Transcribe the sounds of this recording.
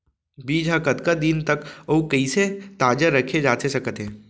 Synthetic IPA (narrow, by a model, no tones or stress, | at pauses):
biːd͡ʒʱɦakɐt̪kad̪int̪ɐkoːkɐiset̪aːd͡ʒəɾɐkʰed͡ʒaːt̪esɐkət̪ɦẽː